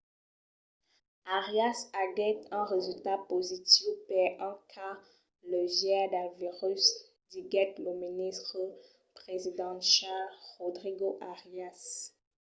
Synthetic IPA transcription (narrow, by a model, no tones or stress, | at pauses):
aʁjasaɡɛt̪ɛ̃ʁezylt̪apozit̪ifpɛɛ̃kʰa | ləʒjɛd̪aviʁys | d̪iɡɛt̪ləminist̪χə | pχezid̪ɑ̃ʃaʁɔd̪ʁiɡoʔaʁjas